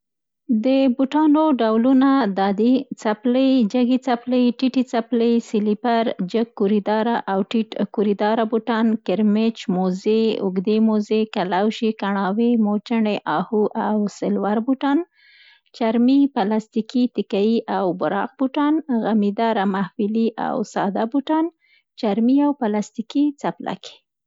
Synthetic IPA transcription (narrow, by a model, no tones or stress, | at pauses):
d̪əbuʈɑnoɖawlunad̪ɑd̪it͡sapləjd͡ʒaɡit͡sapləjʈiʈit͡sapləjsɪlipaɾd͡ʒəkːuɾid̪ɑɾaʔawʈiʈkuɾid̪ɑɾabuʈɑnkɪɾmet͡ʃmozeʊ̰ɡd̪emozekalawʃikaɳɑwemot͡ʃəɳeʔɑhuʔawsɪlwaɾbuʈɑn | t͡ʃaɾmipalast̪ikit̪ɪkajiʔawbʊɾɑ̰q̚buʈɑnɣamid̪ɑɾamahfiliʔa̰wsɑd̪abuʈɑn | t͡ʃaɾmiawpalast̪ikit͡sapla̰kʰe̥